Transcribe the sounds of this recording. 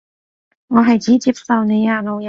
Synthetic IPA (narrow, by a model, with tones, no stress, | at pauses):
ŋɔː˨˧ɦɐ˨˩jt͡siː˨˥t͡siː˧˥p̚sɐ˨wne˨˧˦jaː˨˧˩no˨˧j